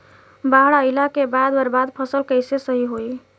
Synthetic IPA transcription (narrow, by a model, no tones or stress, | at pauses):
baɦɽaəjlakebad̪bəɾbad̪pʰəsəlkəjsesəɦiɦoj